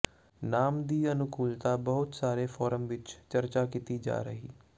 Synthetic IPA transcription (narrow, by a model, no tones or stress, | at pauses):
naːmd̪iːənʊkʰuːlt̪aːbəɦʊt̪saːɾeːfʰɔːɾəmʋɪt͡ʃt͡ʃəɾt͡ʃaːkit̪iːd͡ʒa̰ːɾəɦiː